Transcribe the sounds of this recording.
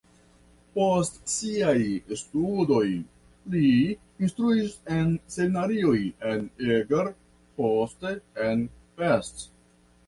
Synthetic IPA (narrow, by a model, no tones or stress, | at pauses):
po̞stsiajstudo̞j | liː | nstɾuisense̞minaɾio̞jeneɡeɾ | posteen | fest